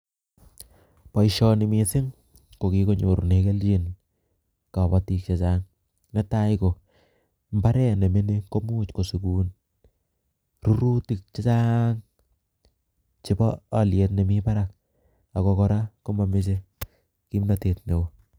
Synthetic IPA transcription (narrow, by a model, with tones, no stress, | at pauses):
pa˨jʃɔ˧ni˨mi˨sɪ˦ŋ | ko˨ki˨˦ko˦ɲo˨ɾne˦ke˦lt͡ʃi˨n | ka˨ba˦ti˦k̚t͡ʃe˨t͡ʃa˦ŋ | ne˦ta˦jko˨ | mba˦ɾɛ˦ne˨mi˦ne˦ko˦muː˦t͡ʃko˨su˨kuː˨n | ru˦ɾu˦ti˨k̚t͡ʃe˦t͡ʃa˦ŋ | t͡ʃɪ˦bɔː˦˨lje˨tne˨mi˦pa˦ɾa˨k̚ | a˨kɔ˧kɔ˦ɾa˦ko˦ma˨mɪ˦s̬e˦ | ki˦mna˦te˨t̚ne˨wo˦